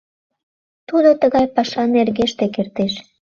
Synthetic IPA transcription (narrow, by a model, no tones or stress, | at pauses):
t̪ud̪ot̪əɣɑjpɑʃɑnerɣeʃt̪ekert̪eʃ